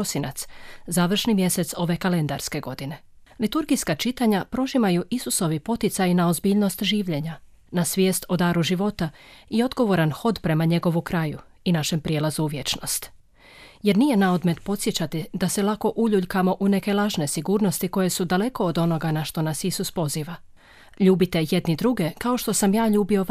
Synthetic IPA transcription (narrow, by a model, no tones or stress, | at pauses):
osina̰t̪szaːʋr̩ʃnimje̞se̞t̪so̞ʋe̞kale̞nd̪a̰ɾske̞ɡo̞d̪ine̞ | lit̪uɾɡiskat͡ʃit̪aɲapɾo̞ʒimajuʔisuso̞ʋipo̞t̪it̪sajnaozbiːʎno̞st̪ʒiːʋʎe̞ɲa | nasʋjeːst̪o̞d̪aːɾuʒiʋo̞t̪aio̞d̪ɡo̞ʋo̞ɾanxo̞d̪pɾe̞maɲe̞ɡo̞ʋukɾaju | inaʃempɾijeːlˠazuːʋje̞t͡ʃno̞st̪ | je̞ɾnije̞nao̞d̪me̞t̪po̞t̪sje̞t͡ɕat̪id̪aselˠako̞ʔuʎuʎkamo̞ʔune̞ke̞lˠaʒne̞siɡuːɾno̞st̪iko̞je̞sud̪ale̞ko̞ːd̪o̞no̞ɡanaʃt̪o̞nasisuspo̞ziːʋa | ʎuːbit̪e̞je̞d̪nid̪ɾuɡe̞kao̞ʃt̪o̞samjaːʎuːbio̞